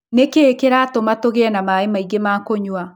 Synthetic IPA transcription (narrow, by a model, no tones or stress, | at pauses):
nekeːkeɾatomatoɣeɛnamaemaiɡemakoɲwa